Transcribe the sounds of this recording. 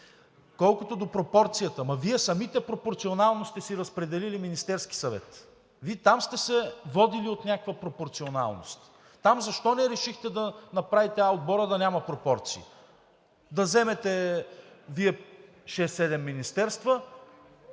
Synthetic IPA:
kɔlˠkot̪od̪opɾopɔɾt̪sijət̪əmɐviɛsɐmit̪ɛpɾopoɾt̪sionalˠnost̪ɛsiɾəspɾɛd̪ɛliliminist̪ɛɾski̥sɐvɛ̰t̪ | viɛt̪amst̪ɛsɛvɔd̪iliot̪nʲakəkvəpɾopoɾt̪siona̰lˠno̰st̪ː | amzɐʃt̪ɔnɛɾɛʃixt̪ɛd̪ɐnɐpɾavit̪ɛaod̪̚bɔɾəd̪ɐnʲamɐpɾopɔɾt̪sḭḭ | d̪ɐzɛmɛt̪ɛ | viɛ | ʃɛsːɛd̪ɛmːinist̪ɛɾst̪və

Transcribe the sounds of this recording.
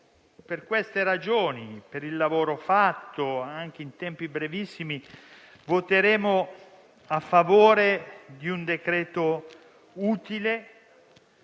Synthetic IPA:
perkwest̪eɾad͡ʒoːnipeɾilːavoːɾofat̪ːoaŋk̟eint̪ɛmpibɾevisːimi | vot̪eɾeːmo | afːavoːɾed̪iund̪ekɾɛːt̪o | uːt̪ile

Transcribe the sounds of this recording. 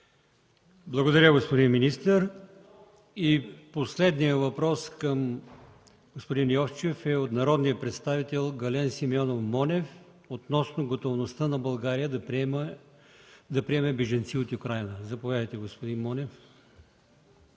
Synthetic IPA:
blˠɐɡod̪ɐɾʲəɡospod̪inminist̪əɾ | iposlɛd̪nijəvɐpɾɔskəm | ɡospod̪injɔft͡ʃɛfɛot̪nɐɾɔd̪nijəpɾɛt̪st̪avit̪ɛlˠɡɐlɛnsimiɔnofmɔnɛf | ot̪nɔsnoɡot̪ovnost̪ənɐbɐlˠɡaɾijəd̪m | d̪ɐpɾiɛmɛbɛʒɐnt̪siot̪ukɾajnəzɐpovjad̪əjt̪ɛɡospod̪inmɔnɛf

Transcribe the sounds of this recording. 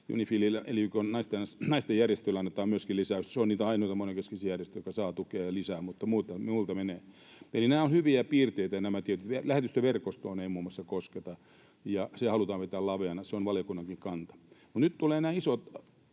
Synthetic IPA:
jṵnifiːlilelikonnɑist̪ensnɑist̪ejjærjest̪øilːæɑnːet̪ɑːmmyøskilisæysseoniːt̪æɑinoit̪ɑmoneŋkeskisiːjærjest̪øjokɑsɑːt̪ukeɑjɑlisæːmut̪ːɑmuːt̪ɑmiuˑlt̪ɑmeneː | elinæːonhyʋiæpiːrt̪eit̪æjɑnæmæt̪iet̪yt̪ʋelæhet̪yst̪æʋerkost̪oːneimuːmːosːɑkosket̪ɑ | jɑsehɑlut̪ɑːʋpet̪æːlɑʋeɑnɑseonʋɑljokunːɑŋkiŋkɑnt̪ɑ̥mut̪nytt̪uleːnæːisot̪

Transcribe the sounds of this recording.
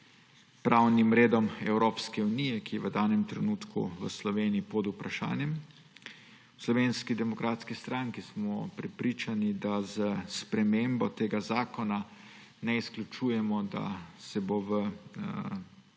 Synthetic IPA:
pɾʔawnimɾeːd̪ɔmɛwɾoːpskɛunijɛkijɛʋəd̪aːnɛmt̪ɾɛnuːt̪kṵʋəslɔʋeːniipɔd̪upɾaʃa̰ːnjɛm | wslɔʋeːnskid̪ɛmɔkɾaːt̪skist̪ɾaŋkismɔpɾɛpɾiːt͡ʃanid̪azəspɾɛmembɔt̪eːɡazaːkɔna | nɛisklʲut͡ʃuːjɛmɔd̪a̰sɛboʋə

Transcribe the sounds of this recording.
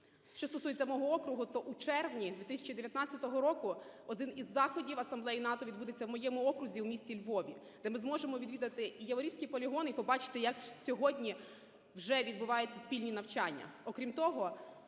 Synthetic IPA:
ʃt͡ʃɔst̪ɔsujet͡sʲɐmɔɦɔɔkɾʊɦʊt̪ɔʔut͡ʃɛrʋnʲid̪ʋʲit̪ɪsʲɐ̥t͡ʃid̪eʋʲjɐt̪nɑt͡sʲɐt̪ɔɦɔɾɔkʊɔd̪ɪnizːɑxɔdʲiwɐsɐmblˠɛjinɑt̪ɔʋʲid̪bud̪et͡sʲːɐwmɔjɛmʊɔkɾʊzʲiwmʲisʲt͡sʲilʲʋɔʋʲḭ | d̪ɛmɪzmɔʒemɔʋʲid̪ʋʲid̪ɐt̪ɪijɐʋɔɾiwsʲkʲijpɔlʲiɦɔnipɔbɑt͡ʃɪ̥t̪ɪjɐksʲɔɦɔdʲnʲi | wʒɛʋʲid̪̚bʊʋɑjʊt͡sʲːɐsʲpʲilʲnʲinɐwt͡ʃɑnʲːɐ̰ɔkɾʲimt̪ɔɦɔ

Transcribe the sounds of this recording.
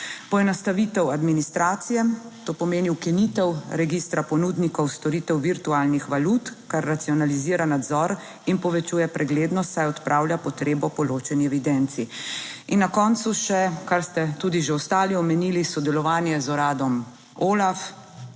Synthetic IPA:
pɔɛnast̪aʋit̪ɛwad̪minist̪ɾaːt̪sijɛ | t̪oːpɔmeːniwkinit̪ɛwɾɛɡiːst̪ɾapɔnud̪nikɔwst̪ɔɾit̪ɛwʋiɾt̪uaːlnixʋalut̪kaɾːat̪siɔnaliziːɾanad̪zɔɾ | inpɔʋɛt͡ʃuːjɛpɾɛɡleːd̪nɔst̪sajɔt̪pɾʔaːwljapɔt̪ɾeːbɔpɔloːt͡ʃɛniɛʋid̪ɛnt̪siinːakɔːnt̪suʃɛkaɾst̪ɛt̪uːd̪iʒeɔst̪aːliɔmɛnilisɔd̪ɛlɔʋaːnjɛzɔɾaːd̪ɔm | oːlaf

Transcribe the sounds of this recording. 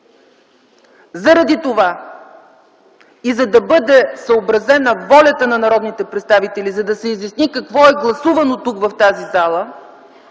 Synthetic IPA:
zɐɾɐd̪it̪ova | izɐd̪ɐbɤd̪ɛsəobɾɐzɛnɐvɔlʲɐt̪ənɐnɐɾɔd̪nit̪ɛpɾɛt̪st̪avit̪ɛlizɐd̪ɐsɛizjɐsnikɐkvɔɛɡlˠɐsuvɐnot̪ukvɐft̪azizalˠə

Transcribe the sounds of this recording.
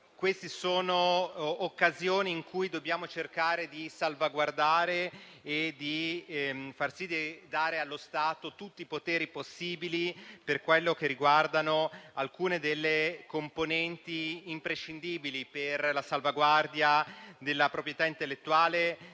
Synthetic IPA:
kwest̪isoːnoːkːazjoːniːŋkujd̪obːjaːmot͡ʃerkaːɾed̪isalvaɡward̪aːɾeː | d̪i | farsid̪id̪aːɾealːost̪aːt̪ot̪ut̪ːipot̪ɛːɾiposːiːbiliperkwelːok̟erːiɡward̪anoalkuːned̪elːekomponɛnt̪iːmpɾeʃːind̪iːbiliperlasalvaɡward̪jad̪elːapɾopɾjet̪aint̪elːet̪ːuaːle

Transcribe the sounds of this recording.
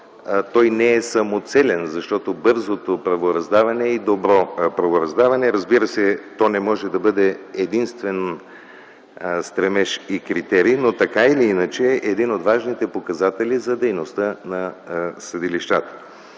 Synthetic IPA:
t̪ɔjnɛɛsɐmot̪sɛlʲɛnzɐʃt̪ɔt̪obɤɾzot̪opɾɐvoɾɐzd̪avɐnɛid̪obɾɔpɾɐvoɾɐzd̪avɐnɛɾɐzbiɾəsɛt̪ɔnɛmɔʒɛd̪ɐbɤd̪ɛɛd̪inst̪vɛn | st̪ɾɛmɛʃikɾit̪ɛɾiːnot̪ɐkailiinət͡ʃɛʔɛd̪inod̪vaʒnit̪ɛpokɐzat̪ɛlizɐd̪ɛjnost̪ənɐsɐd̪iliʃt̪at̪ə̥

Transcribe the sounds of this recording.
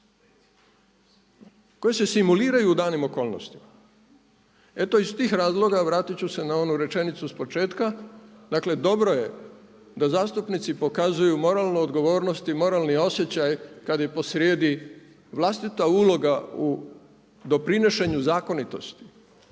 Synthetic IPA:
ko̞jese̞simuliːɾajuːd̪aːnimo̞ko̞ːlˠno̞̰st̪i̥ma | e̞t̪o̞ist̪iːxɾaːzlˠo̞ɡaʋɾaːt̪it͡ɕuse̞nao̞nuɾe̞t͡ʃe̞nit̪suspo̞t͡ʃe̞ːt̪kad̪akle̞d̪o̞bɾo̞je̞ | d̪azaːst̪upnit̪sipo̞kazujumo̞ɾaːlˠnood̪ɡo̞ʋo̞ːɾnost̪imo̞ɾaːlnio̞sjet͡ɕajkad̪jepo̞sɾjeːd̪i | ʋlast̪it̪auːlo̞ɡau | d̪o̞pɾineʃe̞ɲuzaːko̞nit̪o̞st̪i̥

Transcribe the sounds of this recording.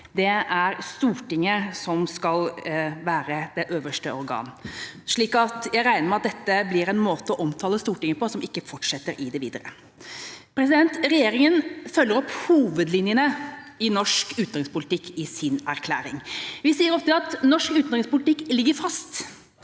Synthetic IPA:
d̪ɛæɾst̪uːʈɪŋːəsɔmskɑlʋæːɾəd̪ɛʔøːʋəʂʈəʔɔɾɡɑ̰ːnʂɭiːkɑt̪jæɪɾæɪnəɾmɛɪɑt̪̚d̪ɛt̪ːəblɪɾɛnmoːt̪əɔʔɔmt̪ʰɑːləst̪uːʈɪŋːəpɔsɔmɪkːəfɔʈʂɛt̪ːəɾʔɪd̪ɛʋḭːd̪əɾə̰ | pʰɾɛsɪd̪ɛnt̪ɾɛjeːɾɪŋənfœlːəɾɔphuːʋəd̪lɪnjənəɪnɔʂkʉːt̪nɾɪŋspʊlɪt̪ɪkːɪsɪnæɾkʰlæ̰ːɾɪŋʋɪsiːəɾɔft̪əɑt̪nɔʂkʉːt̪nɾɪŋspʊlɪt̪ɪkːlɪɡːəɾfɑst̪

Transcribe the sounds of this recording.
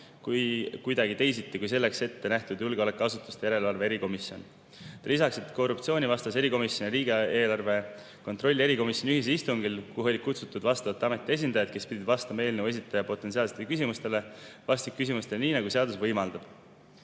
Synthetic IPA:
kujkujd̪̥ɑɡit̪e̞jsit̪ːˑekujse̞lːe̞kse̞t̪ːe̞næht̪ud̪julɡeo̞lekuɑsut̪ːˑu̥st̪ejæɾe̞lɑlve̞e̞ɾiko̞misjo̞n | t̪ɑlisɑkset̪ːko̞rup̚t̪sio̞ːnʲivɑst̪ɑse̞ɾiko̞misjo̞nʲiɾiːɡ̥eeːlɑrve̞ | ko̞nt̪ro̞lʲːie̞ɾiko̞misjo̞nʲiyɦis̬eist̪uŋɡ̥ilkuɦo̞lʲikut̪sut̪ːˑud̪̥vɑst̪ɑvɑt̪ːɑme̞t̪ːˑie̞s̬ʲind̪̥ɑjɑd̪̚ke̞spid̪ʲid̪̥vɑst̪ɑmɑe̞ːlnevwesit̪ːˑɑjɑpo̞t̪ːˑes̬iɑːlset̪elkys̬ʲimust̪e̞le̞vɑst̪ik̚kːysimust̪e̞lniːnɑɡuse̞ɑd̪usvɤjmɑld̪̥ɑb̥

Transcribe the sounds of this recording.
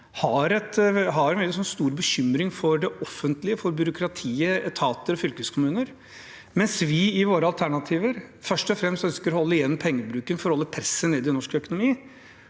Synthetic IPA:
hɑɾɛt̪ɦɑɾɛnʋɛlːɪsɔnːst̪uːɾbəçʏmɾɪŋfɔɾɖɛʔɔfːənt̪lɪəfɔɾbjʏɾʊkʰɾɑt̪ʰiːəɛt̪ʰɑːt̪əɾɔfʏlkəskʰʊmʉːnəɾ | mɛnsʋɪɪʋoːɾəɑlt̪ʰæɳɑt̪ʰiːʋəɾfœʂʈɔfɾɛmst̪œnskəɾɔhɔlːəɪjɛnːmpʰɛŋːəbɾʉːkənfɔɾɔhɔlːəpʰɾɛsːəneːd̪ɪnɔʂkœkʊnʊmiː

